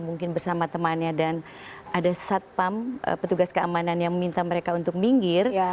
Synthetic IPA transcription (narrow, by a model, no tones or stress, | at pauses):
muŋkɪnbərsamat̪əmanɲadan | adasat̪̚pamə̰pət̪uɡaskəa̰mananjaŋmmint̪aməɾekaunt̪ʊk̚miŋɡɪr